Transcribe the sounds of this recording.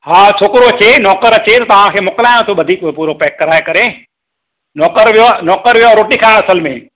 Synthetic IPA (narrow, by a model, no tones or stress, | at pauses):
hãːt͡ʃʰoːkɪɾot͡ɕʰenɔːkəɾɐt͡ɕʰet̪ɐt̪ɐʋ̤ãkʰeːmʊkəlaːjõt̪ʰoɓɐd̪ʱiːkpuːɾopɛːkːɐɾaːekɐɾe | nɔːkəɾʋijoanɔːkəɾʋijoaɾoːʈikʰãːɐsəlmẽ